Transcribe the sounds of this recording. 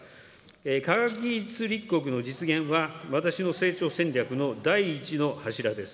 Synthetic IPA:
ekaɡakʲit͡sɨɾʲikːo̞k̬ɯ̟no̞d͡ʑit͡sɨɡẽ̞ɰ̃βaβat̪aɕino̞se̞ːt͡ɕo̞ːsẽ̞ɲɾʲakɯ̟no̞d̪aiːt͡ɕino̞haɕiɾad̪e̞sɨ̥

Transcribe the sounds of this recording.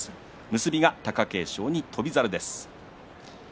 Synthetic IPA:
mɯ̟sɨbʲiɡat̪akake̞ːɕo̞ːɲ̟it̪ʰo̞bʲizaɾɯ̟d̪e̞sɨ̥

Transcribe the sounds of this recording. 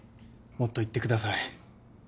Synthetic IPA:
mo̞t̪ːo̞it̪ːe̞kɯ̟d̪asai

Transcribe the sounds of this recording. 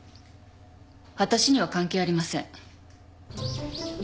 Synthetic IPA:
βat̪aɕiɲ̟iβakãŋkeːaɾʲimasẽ̞ɴ

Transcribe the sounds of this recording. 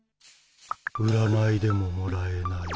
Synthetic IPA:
ɯɾanaid̪e̞mo̞moɾaenai

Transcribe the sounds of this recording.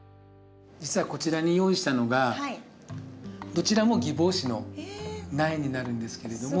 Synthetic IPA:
d͡ʑit͡sɨβako̞t͡ɕiɾaɲ̟ijo̞ːiɕi̥t̪ano̞ɡa | d̪o̞t͡ɕiɾamo̞ɡʲibo̞ːɕino̞ | naiɲ̟inaɾɯ̟̃nd̪e̞sɨ̥ke̞ɾe̞d̪o̞mo

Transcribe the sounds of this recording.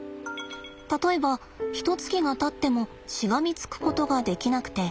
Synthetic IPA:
t̪at̪o̞e̞ba | çi̥t̪o̞t͡sɨ̥kʲiɡat̪at̪ːe̞mo̞ | ɕiɡamʲit͡sɨ̥kɯ̟̥ko̞t̪o̞ɡad̪e̞kʲinakɯ̟̥t̪e̞

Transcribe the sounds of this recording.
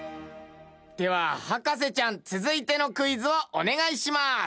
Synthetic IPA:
d̪̥e̞βahakas̬e̞t͡ɕãnt͡sɨzɨit̪e̞no̞kɯ̟izɨoʔone̞ɡaiɕimas

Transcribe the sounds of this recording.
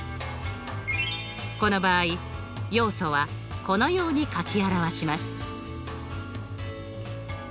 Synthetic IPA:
ko̞no̞baːi | jo̞ːso̞βa | ko̞no̞jo̞ːɲ̟ikakʲiaɾaβaɕimasɨ̥

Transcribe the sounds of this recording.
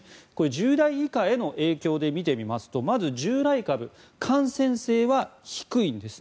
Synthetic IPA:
ko̞ɾe̞ʑɨːd̪aiːkae̞no̞ʔe̞ːkʲo̞ːd̪e̞mʲit̪e̞mʲimasɨ̥t̪o̞mazɨʑɨːɾaikabɯ̟ | kʰãɰ̃sẽ̞ɰ̃se̞ːβaçi̥kɯ̟ĩnd̪e̞sɨ̥

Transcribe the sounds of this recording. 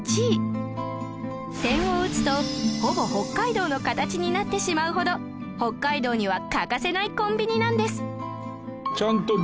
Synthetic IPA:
t͡ɕi | t̪ẽ̞ɰ̃oɯ̟t͡sɨ̥t̪o̞ho̞bo̞ho̞kːaid̪o̞ːno̞kat̪at͡ɕiɲ̟inat̪ːe̞ɕimaɯ̟ɦo̞d̪o̞ | ho̞kːaid̪o̞ːɲ̟iβ̞akakase̞naikõ̞mbʲiɲ̟inãnd̪e̞sɨ̥ | t͡ɕãnt̪o

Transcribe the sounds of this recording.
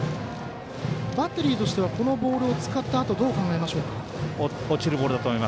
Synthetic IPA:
bat̪ːe̞ɾʲiːt̪o̞ɕi̥t̪e̞βako̞no̞bo̞ːɾɯ̟o̞t͡sɨ̥kat̪ːaːt̪o̞d̪o̞ːkãŋɡae̞maɕo̞ːkḁ | ot͡ɕiɾɯbo̞ːɾɯd̪at̪oːmoima

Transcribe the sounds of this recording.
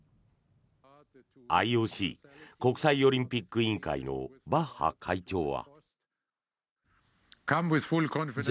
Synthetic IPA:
a̰ioːɕḭːko̞kɯ̟saio̞ɾʲĩmpʲikːɯĩŋka̰ḭno̞̰baha̰kʰait͡ɕo̞ːβa̰ | kʰãmwɪð̥fulkʰɔ̃n

